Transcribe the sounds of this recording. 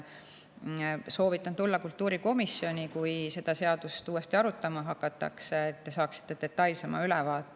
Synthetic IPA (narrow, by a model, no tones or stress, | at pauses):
so̞ːvit̪ːˑɑnt̪ulːɑkult̪ːˑuːɾiko̞misːjo̞nʲikujse̞d̪̥ɑse̞ɑd̪ust̪uːe̞st̪iɑɾut̪ˑːɑmɑɦɑkːˑɑt̪ːˑɑ̰kseːt̪ːe̞sɑːksi̥t̪ːˑe̞d̪̥e̞t̪ːˑɑjlse̞mɑ̰ylɛvɑːt̪ːˑ